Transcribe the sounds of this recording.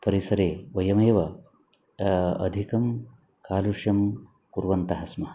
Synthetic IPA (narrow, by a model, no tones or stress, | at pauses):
pɐɾisɐɾeːʋɐjɐmeːʋɐ | ɐ̰d̪ʱikɐm | kaːluʂjɐm | kuɾʋɐnt̪ɐɦɐsmɐɦɐ